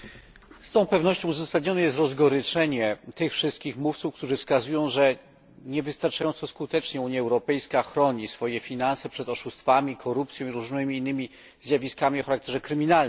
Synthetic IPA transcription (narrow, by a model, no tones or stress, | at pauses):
st̪ɔ̃w̃pɛvnɔɕt͡ɕɔ̃w̃uzasad̪ɲɔnɛjɛst̪ɾɔzɡɔɾɘt͡ʂɛɲɛt̪ɘxfʂɘst̪̚kʲixmuft̪sufk̚t̪uʐɘfskazujɔ̃w̃ʐɛ | ɲɛvɘst̪aɾt͡ʂajɔ̃nt̪sɔskut̪ɛt͡ʂɲɛuɲjaɛwɾɔpɛjskaxɾɔɲisfɔjɛfʲinansɛpʂɛt̪ɔʂust̪famʲikʰɔɾupt̪sʲjɔ̃w̃iɾuʐnɘmʲiːnːɘmʲi | zjavʲiskamʲiɔxaɾak̚t̪ɛʐɛkɾɘmʲinalm